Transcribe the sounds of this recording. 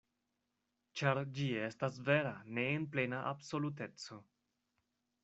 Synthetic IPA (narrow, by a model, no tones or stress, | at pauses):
t͡ʃaɾd͡ʒie̞stas̬ve̞ɾane̞ːnple̞naʔabso̞lut̬e̞t͡so̞